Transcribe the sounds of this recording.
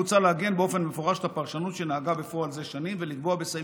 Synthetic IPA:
ut͡salehaɡe̞nbeo̞fe̞nmefoʁaʃt̪apaʁʃanut̪ʃenaaɡabe̞foalze̞ʃanimve̞likboabesa

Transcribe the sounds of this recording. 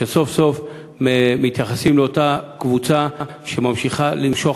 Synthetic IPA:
eso̞fso̞f | memit̪jaχasimleo̞takvut͡sa | ʃe̞mamʃiχalimʃo̞

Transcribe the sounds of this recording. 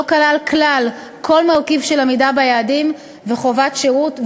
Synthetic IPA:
okalalklal | kʰo̞lmalkivʃelamidabajaːdim | veχo̞vatʃeʁutv

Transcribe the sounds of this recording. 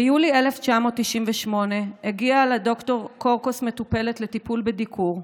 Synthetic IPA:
julie̞left͡ʃamo̞tːiʃimveʃmo̞ne̞heɡiaːlado̞kto̞ʁko̞ʁkosme̞tupe̞le̞tletipulbedikʰuʁ

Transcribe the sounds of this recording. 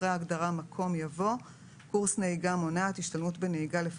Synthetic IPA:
ʁeaːɡdaʁamakʰo̞mjavo̞ | kuʁsnehiɡamonaat̪hiʃtalmutbe̞nehiɡalef

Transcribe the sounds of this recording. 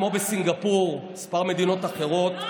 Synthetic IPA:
mobesiŋɡapuʁispaʁme̞d̪ino̞t̪aχe̞ʁo̞t̪

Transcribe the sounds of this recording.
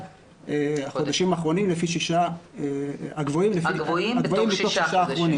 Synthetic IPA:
eaχo̞d̪aʃimaːχʁo̞nimlefiʃiʃaeaɡvoimlefiaɡvoimlitoχʃiʃaːχʁo̞nim

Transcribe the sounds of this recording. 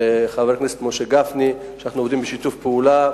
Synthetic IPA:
eχaveʁkneset̪moʃeɡafni | ʃanaχnud̪imbeʃit̪ufpeula

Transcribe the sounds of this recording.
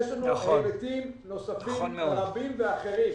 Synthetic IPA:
ʃlanuemet̪imno̞safiaʁambimveaχeʁim

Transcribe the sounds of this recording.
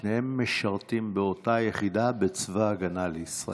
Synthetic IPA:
nehe̞mːeʃaʁtimbeo̞tajeχidabet͡svaːɡanaleisʁa̰

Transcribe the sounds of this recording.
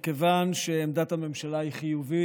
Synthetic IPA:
kevanʃeːmd̪at̪hame̞mʃalaiχijuvi

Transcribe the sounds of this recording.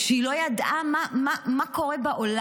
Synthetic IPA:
ʃeilo̞jad̪ʔamamamako̞ʁebaʔola

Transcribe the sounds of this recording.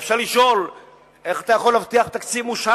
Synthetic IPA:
fʃaʁliʃo̞l | e̞χat̪ajaχo̞lːavt̪iaχbet̪akt͡sivmuʃa

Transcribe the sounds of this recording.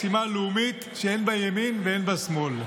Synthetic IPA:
simalumit̪ʃeenbajaminveenbasmol

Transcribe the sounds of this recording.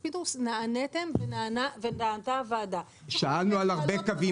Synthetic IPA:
pit̪usnaanet̪emvenanavenaant̪avaːd̪a | ʃaalnualaʁbekavi

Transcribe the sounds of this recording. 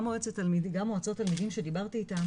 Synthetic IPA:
moet͡setalmidɡamoat͡sotalmidimʃedibaʁt̪iːta

